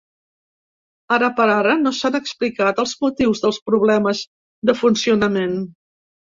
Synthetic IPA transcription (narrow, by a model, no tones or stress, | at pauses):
ərəpəɾaɾənosanəksplikat̪əlˠzmut̪iwzðəlˠspɾuβ̞lɛməz | d̪əfunsiunəmen